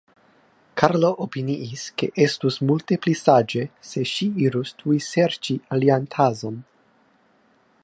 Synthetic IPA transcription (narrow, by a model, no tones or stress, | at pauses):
kʰaɾlo̞ʔopiniʔiske̞̰ʔe̞stusmulte̞plisad͡ʒe̞se̞ʃiiɾustʰujse̞ɾt͡ʃialiantʰazo̞n